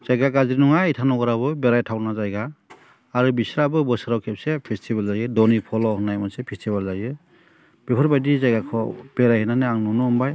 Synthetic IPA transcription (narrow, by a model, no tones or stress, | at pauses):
z̥ajɡakazɾinɔŋaitʰanɔɡɔɾaβɯbeɾajtʰawnazajɡaː | ɾubisɾabɯbɔsɯɾawkʰep̚sepʰestʰibalzajɯdɔnipʰɔlɔɦɯnːajmansepʰestʰibalzajɯ | b̥ipʰɔɾbajdizajɡakʰɔb̥eɾajhɯnanɯaŋnɔnɔːmbaj